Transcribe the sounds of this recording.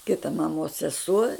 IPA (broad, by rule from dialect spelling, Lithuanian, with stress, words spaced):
ˈkʲɪtɐ mɐˈmoːs sʲɛˈsuɔ